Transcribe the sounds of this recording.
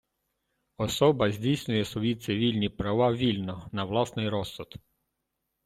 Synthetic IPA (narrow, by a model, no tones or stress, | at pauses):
ɔsɔbɐzʲdʲijsʲnʲʊjɛsʋɔjit̪sɪʋʲilʲnʲipɾɐʋɑʋʲilʲnɔnɐʋlˠɑsnɪjɾɔsːɔd̪